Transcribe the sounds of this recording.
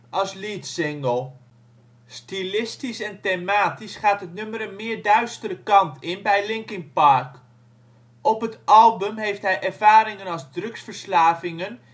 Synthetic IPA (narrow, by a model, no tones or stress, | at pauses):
ʔɑsliːtsɪŋɡəlˠ | stilɪstisɛntemaːtisχaːtɦətnøməɾənmɪːɹdœɥstəɾəkɑntʰɪnbɛjlɪŋkɪŋpɑɹk | ʔɔpɦətʔɑlˠbəmɦejftɦɛjʔɛɹvaːɾɪŋənɑlˠzdrɵksfəɹslaːvɪŋən